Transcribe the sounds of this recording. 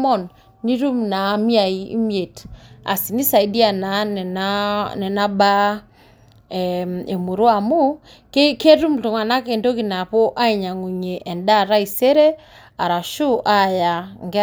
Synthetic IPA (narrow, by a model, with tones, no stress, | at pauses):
ɔ˦˨nː | i˦ɾu˦mna˨˦mi˦a˨i˦ḭ˦mje˨ta̰˨si˨ni˦sa˨i˨di˦a˨na˨nɛ˨na˦nɛ˨na˦ba˦ | ɛe˨mu˨ɾwa˨mu˦ | ke˦ke˦ɾu˦mtu˨ŋwa˨na˦ke˨ndo˦ki˨na˨po˦ʔa˦i˨ɲa˨ŋu˨ɲe˨ʔɛ˨nda˦˨ɾa˦i˨se˦ɾe˦ | a˨ɾa˨ʃu˦ʔa˦ja˨ŋɡ